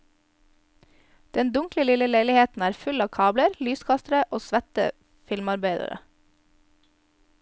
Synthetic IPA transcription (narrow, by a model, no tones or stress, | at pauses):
d̪̥ɛnd̪ʊŋkləlɪləleɪlɪheːt̪n̩æːɾfʉlɑːkʰɑːbləɾlyːskʰɑst̪ɾəʔoːsʋæt̪ə̰ | fɪlmɑɾbeɪd̪ə̰ɾə̰